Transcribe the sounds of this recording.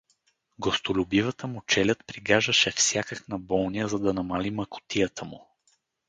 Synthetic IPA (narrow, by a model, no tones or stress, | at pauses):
ɡost̪olʲʊbivət̪əmʊt͡ʃɛlʲət̪pɾiɡaʒəʃɛfsʲjakəknɐbɔlˠnijəzɐd̪ɐnɐmalimɐkʊ̥t̪ijət̪ʰəmʊ